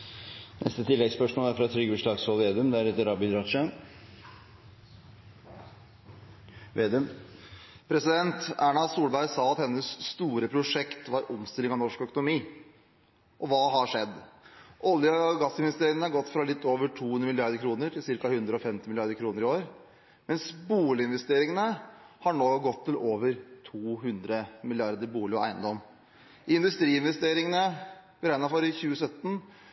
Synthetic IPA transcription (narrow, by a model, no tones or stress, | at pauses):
nʔɛ̰st̪ət̪ʰɪlːɛɡspœʂmoːlæɾfɾɑt̪ʰɾʏɡʉʂlɑːɡsɔleːd̪ʉmd̪ɛæɾɛt̪ːəɾɑːbɪd̪ɾɑʂən | ʋeːd̪ʉm | pʰɾɛsɪd̪ɛnt̪æːɳɑsuːlbæɪsɑːɑt̪hɛnːəsːt̪uːɾəpʰɾʊʂɛkt̪ʋɑɾɔmst̪ɪlːɪŋɑʋnɔʂkœkʊnʊmiː | ʔɔʋɑːɦɑʂɛd̪ːʔɔljəɡɑsːɪnʋɛst̪eːɾɪŋənəhɑɾɡɔt̪ːfɾɑlɪt̪ʰːoːʋəʈʰuːʉnd̪ɾəmɪlɪɑɾd̪əɾkʰɾuːnəɾʈʰɪlsɪɾkɑhʉnd̪ɾəɔfɛmt̪ɪmɪlɪɑɾd̪əɾkʰɾuːnəɾɪoːɾ | mɛnsbuːlɪɪnʋɛst̪eːɾɪŋənəhɑɳoːɡɔt̪ʰːɪlʔoːʋəɾt̪ʰuːhʉnd̪ɾəmɪlɪɑɾd̪əɾbuːlɪɔæ̰ɪənd̪ɔm | ɪnd̪ʉst̪ɾiːɪnʋɛst̪eːɾɪŋənəbəɾæɪnɑfɔɾɪçʉːəsœt̪ːn̩